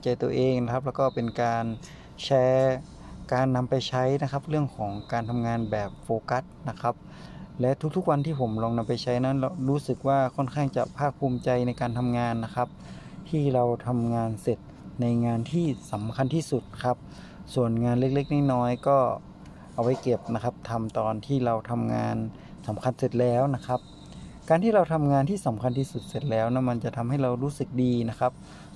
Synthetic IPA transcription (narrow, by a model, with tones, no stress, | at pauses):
t͡ɕa˧jt̪u˧əʔeː˧ŋna˧˥kʰa˧˥p̚lːkɔː˥˩pe˧nkaː˧n | t͡ɕʰɛː˦˧˥ | kaː˧nːa˧mpa˧jt͡ɕʰa˦˥jna˦˥kʰa˧˦˥p̚lɯ˥˩əŋkʰɔː˩˦ŋkaː˧nt̪ʰa˧mŋaː˧nbɛː˨˩p̚foː˧ka˦˥t̪̚na˦˥kʰa˦˥p̚ | lɛ˦˥t̪ʰu˦k̪̚ʰu˦˥k̚wa˧nt̪ʰiː˥˩pʰo˩˦mlɔː˧ŋna˧mpa˨˧jt͡ɕʰa˦˥jna˦˥˨nlɾuː˦˥sɯ˨˩k̚waː˧˥˩kʰɔ˥˨nkʰaː˥˩ŋt͡ɕa̰˨˧˩pʰaː˥˩k̚pʰuː˧mt͡ɕa˧jna˧jkaː˧nt̪ʰa˧mŋaː˧nːa˦˥kʰa˦˥p̚t̪ʰiː˥˩ɾa˧wt̪ʰa˧mŋaː˧nse˨˩t̪̚na˧jŋaː˧nt̪ʰiː˥˩sa˨˩˦mkʰa˧nt̪ʰiː˧˥˩su˨˩t̪̚kʰa˦˥p̚ | su˨˩ənŋaː˧nle˦˥k̚le˦˥˩k̚na˧˥˩jnɔː˦˥jkɔː˥˩ | ʔa˨˧˩wa˦˥˩jke˨˩p̚na˦˥kʰa˦˥p̚t̪ʰa˧mt̪ɔː˨nt̪ʰiː˥˩ɾa˧wt̪ʰa˧mŋa̰ː˧n | sa˩˦mkʰa˧nse˨˩t̪̚lɛː˦˥˩wna˦˥kʰa˦˥p̚ | kaː˧nt̪ʰiː˥˩˨ɾa˧wt̪ʰa˧mŋaː˧nt̪ʰiː˥˩sa˨˦mkʰa˧nt̪ʰiː˥˩su˨˩t̪̚se˨˩t̪̚lɛː˦˥wna˧˥nma˧nt͡ɕa˨˩t̪ʰa˧mha˥˩jɾa˧wɾuː˦˥sɯ˨˩k̚diː˧na˦˥kʰa˦˥p̚